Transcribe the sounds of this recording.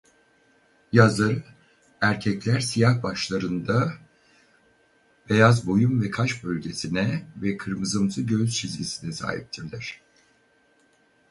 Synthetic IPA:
jazlˠaɾɯ | æɾcʰɛclʲæɾsijahbaʃlˠaɾɯnd̪a | b̥e̞jazbo̞jumvɛkʰaʃbø̞lʲɟe̞sinɛvɛkʰɯɾmɯzɯmsʰɯɟø̞zt͡ʃʰizʲɟʲisinɛsa̰ːɦḭp̚t̪ʰiɾlʲæɾ̝̥

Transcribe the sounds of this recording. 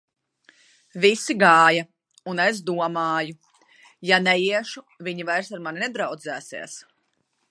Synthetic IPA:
visiɡaːja | unes̬d̪uɔmaːju | janɛjiɛʃu | viɲivajɾsaɾmaninɛd̪ɾawd̪zæːsɛ̰ɛs

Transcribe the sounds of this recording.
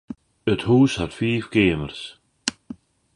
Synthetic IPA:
ʏt̪huːsaɾfiːvkeːmaɾ̥s

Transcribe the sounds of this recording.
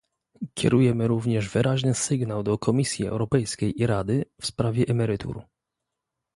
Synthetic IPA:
kʲɛ̰ɾujɛmɘɾuvɲɛʐvɘɾaʑnɘsɘɡnawd̪ɔkʰɔmʲisʲjiɛ̰wɾɔpɛjskʲejʔiɾad̪ɘfspɾavʲjɛʔɛmɛɾɘt̪ʰṵɾu

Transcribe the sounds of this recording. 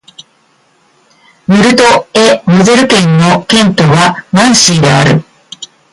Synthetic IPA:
mɯɾɯt̪oemɯzeɾɯkẽnːokẽnt̪oβamãɰ̃siːɾea̰ɾɯ

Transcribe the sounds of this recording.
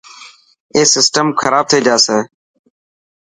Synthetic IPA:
eːsɪsʈəmkʰəɾaːb̚t̪ʰeːd͡ʒaːseː

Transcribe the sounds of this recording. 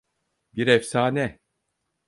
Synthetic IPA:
biɾɛfsaːnɛ

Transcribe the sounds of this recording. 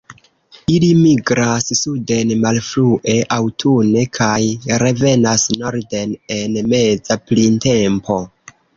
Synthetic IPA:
ilimiɡɾassude̞nmalfluʔe̞ʔawtʰune̞kʰajɾe̞ve̞nasno̞ɾde̞ne̞nme̞zaplinte̞mpo̞

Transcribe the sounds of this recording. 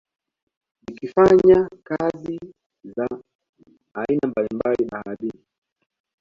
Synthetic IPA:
nikifaɲakazi | zaː | inambalimbaliɓahaɗi

